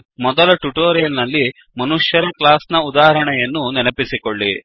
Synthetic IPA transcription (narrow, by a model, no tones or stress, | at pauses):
mɔd̪ɐlɐʈuʈoːɾijɐlnɐlːi | mɐnuʂjɐɾɐklaːsnɐud̪aːɦɐɾɐɳɛjɐnːunɛnɐpisikoɭːi